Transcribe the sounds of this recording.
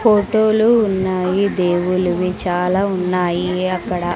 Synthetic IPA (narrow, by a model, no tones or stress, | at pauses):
pʰoːʈoːluːnːaːjid̪e̞ːwuluʋit͡ʃaːlaːunːaːjiɐkːɐɽɐ